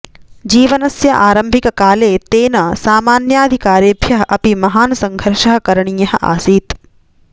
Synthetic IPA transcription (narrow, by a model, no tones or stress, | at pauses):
d͡ʒiːʋɐnɐsjɐʔaːɾɐmbʱikɐkaːleːt̪eːnɐsaːmaːnjaːd̪ʱikaːɾjebʱjɐɦɐ̆ʔɐpimɐɦaːnɐsɐŋɡʱɐɾʃɐɦɐ̆kɐɾɐɳiːjɐɦɐ̰̆ʔa̰ːsiːt̪